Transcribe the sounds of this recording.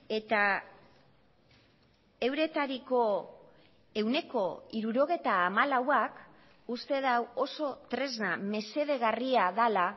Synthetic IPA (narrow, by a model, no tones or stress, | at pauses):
e̞t̪a | e̞wɾe̞t̪aɾiko̞ | e̞wne̞ko̞iɾuɾo̞ɣ̞e̞t̪aːmalawak | ust̪e̞ðawo̞so̞t̪ɾe̞zname̞se̞ðe̞ɣariaðala